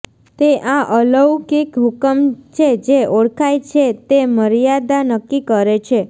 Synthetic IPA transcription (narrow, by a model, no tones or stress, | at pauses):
t̪eʔaʔələwkikɦukəmt͡ʃʰed͡ʒeoɽkʰajt͡ʃʰet̪eməɾijad̪anəkːikəɾet͡ʃʰe